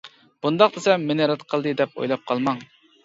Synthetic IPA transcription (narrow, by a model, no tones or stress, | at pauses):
b̥und̪ɑqd̪esɛmmenɪɾɨt̪qʰəlˠd̪ɨd̪ɛpo̰jlˠɑp̚qʰɑlˠmɑŋ